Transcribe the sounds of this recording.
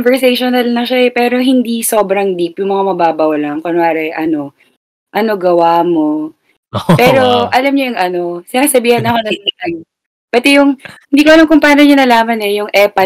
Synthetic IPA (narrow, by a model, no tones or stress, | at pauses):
nvɛɹsejʃonɐlnɐʃaɛpɛːɾo̞ɦɪnd̪iso̞ːbɾɐŋd̪ipjʊŋmɐŋamɐbaːbɐwlɐŋkonwaːɾɐʔɐno̞ | ʔɐno̞ɡɐwaːmo̞ | pɛːɾo̞ʔɐlamɲojʊŋʔɐno̞sɪakɐsɐbiːhɐnɐko̞nɐsot̪ɐŋ | pɐt̪ɛjʊŋhɪnd̪iːkoʔɐlamkʊŋpaːnoɲɐnɐlaːmɐnɛjʊŋʔɛpɐ